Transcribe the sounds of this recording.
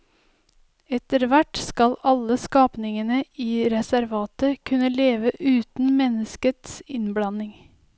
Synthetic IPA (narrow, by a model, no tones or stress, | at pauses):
ɛt̪əɾʋæʈskɑlɑləskɑːpnɪŋənəiːɾɛsæɾʋɑːt̪əkʰʉnəleːʋəʔʉːt̪n̩mɛnəskət̪sɪnblɑnɪŋ